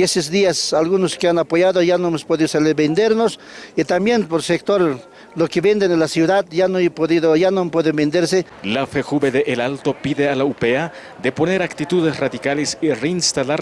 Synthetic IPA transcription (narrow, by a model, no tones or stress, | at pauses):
eses̬d̪iasalɣunoskeanapojaðojanoemospoðiosalebend̪eɾnos | it̪ambjenpoɾsekt̪oɾ | lokeβend̪enelasjuðaðʝanoajpoðiðojanoampweðembend̪eɾse | lafexuβeðeʔelalt̪opiðealaupea | d̪eponeɾakt̪it̪uðesraðikalesireinst̪alaɾ